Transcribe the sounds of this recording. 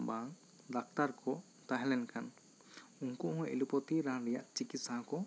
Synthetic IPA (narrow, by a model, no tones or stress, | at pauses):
ba | d̪ak̚t̪aɾkʰɔ | t̪aɦɛ̃lɛnkan | uŋkɔʔɦɔ̃ḛlupɔt̪iɾaɦɾɛjaʔt͡ʃikit̪̚saɦãkɔ